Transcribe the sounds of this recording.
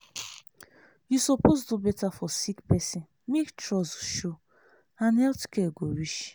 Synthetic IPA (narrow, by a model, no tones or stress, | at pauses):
jusɔposdubɛtafɔsikpɛsĩn | mektɹɔsʃo | ãnɛltkɛɡowiʃ